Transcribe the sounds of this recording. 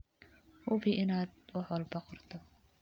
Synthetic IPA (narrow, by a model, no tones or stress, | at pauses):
hʊfiʔɪnaːd̪̚wɑħwɑlbɐqɔrt̪ʰɔ